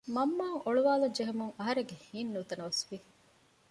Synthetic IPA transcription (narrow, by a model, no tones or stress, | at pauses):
mɐmːaːŋoɭuʋaːlɐɲd͡ʒeɦemuŋɐɦɐɾeŋɡehiːnːuːt̪ɐnɐʋɐsʋi